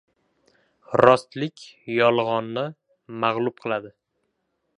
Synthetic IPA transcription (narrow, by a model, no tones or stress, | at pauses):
ɾɒst̪lɪkʲjɒlˠʁɒnːɪ | maʁlˠʊp̚qʰɨlˠad̪ɪ